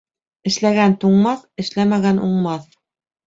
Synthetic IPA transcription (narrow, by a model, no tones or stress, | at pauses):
ɘ̆ʃlæɡænt̪uɴmɑθɘ̆ʃlæmæɡænuɴmɑθ